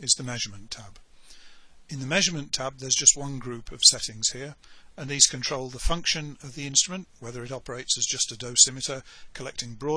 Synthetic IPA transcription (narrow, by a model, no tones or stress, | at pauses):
ɨzðɨmɛʒəmə̃ntʰæb̥ | ɨ̃nðɨmɛʒə˞mɨ̃ntʰab̚ðə˞zd͡ʒʌst̚wʌ̃nɡɹʉpʰʌv̥sɛɾɪ̃ŋz̥hiɹɨ̃nðiz̥kʰɨ̃ntʰɹ̥oʊlˠðəfʌ̃ŋkʃɨ̃nʌvðiɪ̃nstɹ̥əmə̃nʔwɛðə˞ɨɾɑpə˞eɪtsɨzd͡ʒʌstɨdoʊsɪ̃mɨɾə˞kʰəlɛk̚tɪ̃ŋbɹɔ